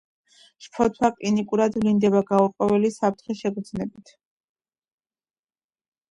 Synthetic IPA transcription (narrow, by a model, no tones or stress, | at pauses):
ʃpʰɔt̪ʰwaqʼlinikʼuɾad̪vlind̪ɛbaɡauɾqʼɔvɛlisap̚ʰt̪ʰχɛʃɛɡɾd̪znɛbit̪ʰ